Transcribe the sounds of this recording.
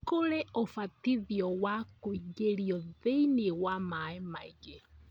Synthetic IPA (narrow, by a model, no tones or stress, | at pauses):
koɾɛofatiðiɔwakoiɣeɾjɔðeinewamaemaiɣe